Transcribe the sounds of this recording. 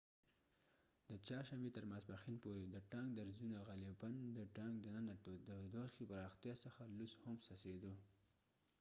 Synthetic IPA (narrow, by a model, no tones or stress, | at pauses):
d̪ət͡ʃɑɾʃambet̪əɾmaspaxinpoɾed̪əʈɑŋɡ̚d̪aɾzunaɣaliband̪əʈɑŋɡ̚d̪ənənat̪od̪əd̪oxepəɾɑxt̪jɑsəxalushʊmsased̪o